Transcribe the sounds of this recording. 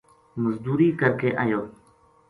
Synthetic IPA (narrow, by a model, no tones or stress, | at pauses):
məzd̪uːɾiːkəɾkeːʔa̰ːjoː